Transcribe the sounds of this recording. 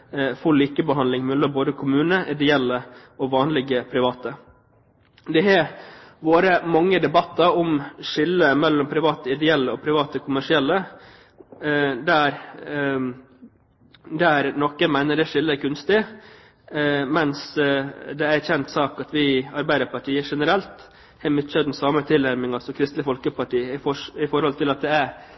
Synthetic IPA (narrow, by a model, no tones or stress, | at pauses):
fɔliːkəbəɦɑnlɪŋmɛlːəmboːd̪əkʰʊmʉːnəʔɪd̪ɛɛlːəɔʋɑːnlɪɡəpʰɾɪʋɑːt̪ə | d̪ɛæʋoːɾəmɑŋːəd̪ɛbɑt̪ːɑɾɔmʂɪlːəmɛlːɔmpʰɾɪʋɑːt̪əɪd̪ɛɛlːəɔpʰɾɪʋɑːt̪əkʰʊmæʂɪɛlːə | d̪æɾ | d̪æɾnɔkːəmæɪnəɖɛʂɪlːəkʰʉnst̪ɪ | mɛns | d̪ɛæɾçɛnt̪sɑːkɑt̪ʋɪɑɾbæɪd̪əɾpɑʈʰiːəʂɛnəɾɛlt̪ | hɛmʉt̪t͡ʃəd̪n̩sɑːmət̪ʰɪlæɾmɪŋɑsɔmkʰɾɪst̪əfɔlkəpʰɑʈiːəɪɔɪfɔɾhɔlt̪ʰɪlɑt̪̚d̪ɛæɾ